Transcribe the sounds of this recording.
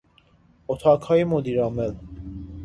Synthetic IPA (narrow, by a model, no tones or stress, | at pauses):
ɔt̪ʰɑkʰɑimɔd̪iɾɑmɛl